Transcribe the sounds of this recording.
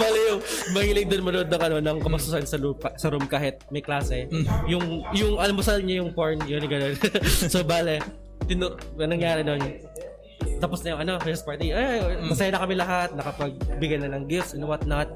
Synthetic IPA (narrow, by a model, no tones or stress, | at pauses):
baːlɛjʊŋmɐhiːlɪɡ̚d̪onmɐnod̪nɐŋʔɐno̞nɐŋkɐmpɐsʊsɐnsɐlupɐsɐɾumkaːɦɪt̪̚mɐjklaːsɛjʊŋjʊŋʔɐlamːosɐlɪɲajʊŋpoɹnjonɡɐno̞nsobaːlɛ | t̪ɪnoɐnɐŋjaːɾɪno̞n | t̪ɐposnɐjʊŋɐno̞wɛɛspaɹt̪iʔajamɐsɐjanɐkɐmɪlɐɦat̪̚nɐkɐpɐɡ̚bɪɡɐjnɐnɐŋɡɪfsʔɪnowɐt̪̚nɐt̪̚